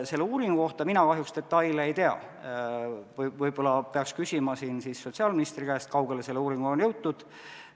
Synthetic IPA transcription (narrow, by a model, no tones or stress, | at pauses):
se̞lːeuːɾiŋɡuko̞ht̪ɑminɑkɑɦjukst̪e̞t̪ːɑjleejt̪e̞ɑ̰ | vɤjb̥o̞lɑpeɑkskysʲimɑsiːnsisːo̞t̪ʲsiɑːlminist̪rikæːst̪̚kɑwɡ̥e̞lese̞lːuːɾiŋɡ̥uonjɤwt̪ːud̪̥